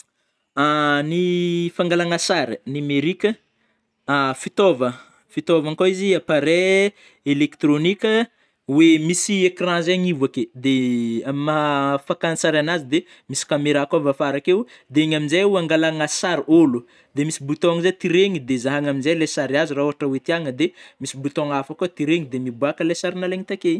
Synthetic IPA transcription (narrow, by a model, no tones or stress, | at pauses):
anifaŋɡalaŋasaɾinimeɾikʲə | afit̪ovə | fit̪ovaŋkoiziapaɾe | elekt̪ronikʲə | wemisiekrãzaɲivaked̪eamafakanisaɾanazid̪e | misi̥kameɾakovafaɾakew | d̪eeɲaminzajuaŋɡalaŋasaɾolu | d̪emisibut̪ɔŋizet̪iɾeŋid̪ezaɦaŋaminzajlasaɾiaziraoaʈ͡ʂəwet̪iaŋəd̪emisibut̪oŋafakut̪iɾeŋid̪emibuakəlesaɾinaleŋit̪ake